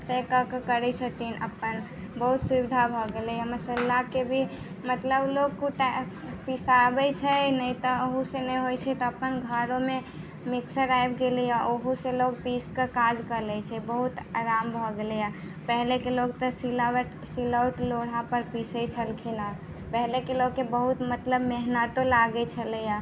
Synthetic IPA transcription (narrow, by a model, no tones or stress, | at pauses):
sɛkəkəkəɾɛsʰət̪inʔə̰pən | bəɦut̪subid̪ʱabʱɔɡelɛjaməsəlakebʱi | mət̪ləblokkuʈ | pisabɛt͡ʃʰɛnəjt̪ɔoɦusenɛjɦojt͡ʃʰɛt̪ɔəpənɡʱəɾome | miksəɾajbɡelɛjaʔoɦuselokpiskəkad͡ʒkəlɛt͡ʃʰɛbəɦut̪aɾambʱɔɡelɛja | pɛɦlekeloɡt̪ɔsil | siləwʈloɽ̤ãpəɾpisəjt͡ʃʰəlkʰina | pɛɦlekeloɡkːebəɦut̪mət̪ləbmeɦnat̪olaɡɛt͡ʃʰələja